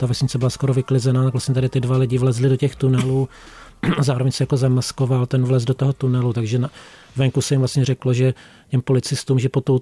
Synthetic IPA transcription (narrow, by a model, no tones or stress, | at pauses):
t̪avɛsɲɪt͡sɛbɪlasko̞ɾo̞vɪklɪzɛnaːt̪akvlastɲɛt̪adɪt̪ɪdvalɪɟɪvlɛzlɪdocɛxt̪unɛluː | azaːɾovɛɲsɛjakozamasko̞valt̪ɛnvlɛzdot̪oɦot̪unɛlut̪aɡʒɛna | vɛŋkusɛjɪmvlast̪ɲɛɾɛkloʒɛ | cɛmpo̞lɪt͡sɪst̪uːmʒɛpot̪ow